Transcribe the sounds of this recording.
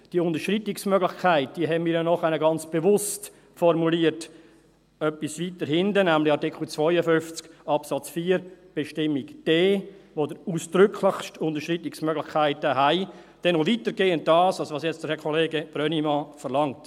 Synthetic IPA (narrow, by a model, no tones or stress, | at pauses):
d̥iəʊndəɾʃɾitɪksmœɡlɪçkʰaɪt̚d̥iəɦɛnmiːɾjɔnɔχɛnəɡɑnt͡sb̥evʊst | fɔɾmuliːət | œpːisvitəɾhɪndənæmlɪɑɾtɪkʰl̩t͡svɔɪəfʏnft͡skɑpsɑt͡sfiːɾb̥ɛʃtɪmːikd̥eːʋodəɾuːsd̥ɾʏkʰlɪχʃtʊndəʃtritɪksmœɡlɪxkʰaɪtəɦaɪd̥ɛnovitəɾɡeːənt̚d̥ɑːsɑlsʋɑːsjɛt͡sd̥əɾhɛkʰɔleːɡəb̥ɾœnimɑfəɾlɑŋt